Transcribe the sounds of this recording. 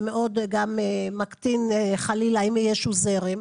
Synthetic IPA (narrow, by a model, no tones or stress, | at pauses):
meʔod̪ɡamemakt̪ineχalilaimijeʃuzeʁem